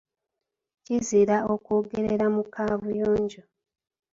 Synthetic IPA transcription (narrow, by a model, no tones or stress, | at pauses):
ciziɾaokoːɡe̞ɾe̞ɾamukʰaːβujoːɲɟo